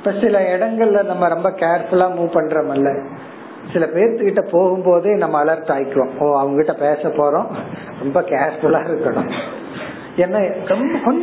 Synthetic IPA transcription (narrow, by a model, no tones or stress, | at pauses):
ɪpːɐsɪlɐɪɽɐŋɡɐɭɪlɐnɐmːɐɾɔmbɐkeːɾfʊlaːmuːpɐɳːɾɐmɐlːɐ | sɪlɐpeːɾt̪ɯkɪʈːɐpoːɣɯmpoːðɯnɐmːɐːlɐɾʈ̪ɯaːjkːɯʋõːoːɐʋɐŋɡɐkɪʈːɐpeːsɐpːoːɾõː | ɾɔmbɐkeːɾfʊlaːɪɾɯkːɐɳʊ̰̃ | ɛnːɐɾɔmbɐkɔn